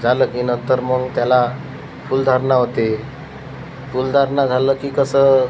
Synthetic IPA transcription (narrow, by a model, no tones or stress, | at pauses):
d͡zʱaləːkinət̪əɾməɡt̪jala | fuld̪ʱaɾɳaɦot̪e | fuld̪ʱaɾɳad͡zʱaləːkiːkəsə